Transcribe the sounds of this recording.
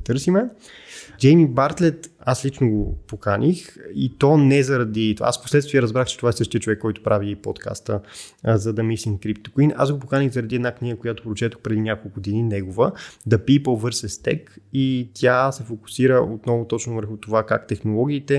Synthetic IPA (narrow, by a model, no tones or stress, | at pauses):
t̪ɤɾsimɛ | d͡ʒɛjmibaɾt̪lɛt̪aslit͡ʃnoɡopokanixḭt̪ɔnɛzɐɾɐd̪it̪oa̰a̰sfposlɛt̪st̪viɛɾɐzbɾaxt͡ʃɛ̥t̪ovaɛsɤʃt̪iət͡ʃovɛkːɔjt̪ʊ̥pɾʔaviipɔ̰t̪kʰa̰st̪əzɐd̪ɐmislimkɾipt̪o̥kina̰sɡopokaniɣzɐɾɐd̪iɛd̪nakniɡəkojat̪o̥pɾot͡ʃɛt̪əxpɾɛd̪inʲjakolˠɡʊd̪ininɛɡovəd̪ɐpipolˠvɤɾsɛst̪ɛ̰kit̪ʰʲjasɛfoku̥siɾəʔot̪nɔvʊt̪ɔt͡ʃnovəɾxʊt̪ovakakt̪ɛxnolˠɔɡʲiːt̪ɛ